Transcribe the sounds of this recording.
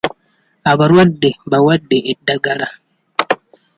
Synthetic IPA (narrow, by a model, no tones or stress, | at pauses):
abaɾwadebawadːeʔedaɡaɾa